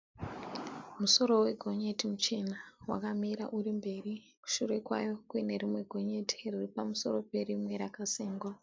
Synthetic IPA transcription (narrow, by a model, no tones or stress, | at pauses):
muso̞ɾo̞we̞ɡʱo̞ɲe̞timut͡ʃenawa̰kamiɾaʔuɾimbe̞ri | ku̥ʃure̞kwa̰jo̞kuene̞rimwe̞ɡʱo̞ɲe̞tʰi̥riripamuso̞ɾo̞pe̞rimwe̞ɾakaseːŋɡwa